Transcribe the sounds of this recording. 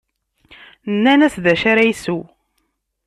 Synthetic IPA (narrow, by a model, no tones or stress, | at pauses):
nːænæsðæʃaɾæjsu